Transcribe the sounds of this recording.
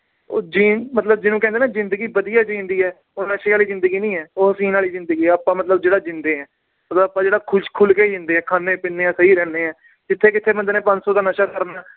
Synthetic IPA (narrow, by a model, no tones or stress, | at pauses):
oːd͡ʒiːmət̪ləb̚d͡ʒɪnũːkɛ̃ːnd̪eːnaːzɪ̃nd̪əɡiːbəd̪ijaːd͡ʒĩːnd̪iːɛː | oːnəʃeːaːliːzɪ̃nd̪əɡiːnĩːɛːoːəsĩːnaːliːzɪ̃nd̪əɡiːɛːaːpːãːmət̪ləbd͡ʒeːɽaːd͡ʒɪnd̪eːɛː | mət̪ləbapːãːd͡ʒeːɽaːkʰʊʃkʰʊlkeːd͡ʒɪ̃nd̪eːɛ̃ːkʰaːneːpɪnːeːɛ̃ːsəiːɾɛːneːɛ̃ː | d͡ʒɪt̪ʰːeːkɪt̪ʰːeːbənd̪ːneːpə̃ɲd͡ʒsɔːt̪aːnəʃaːkəɾnaː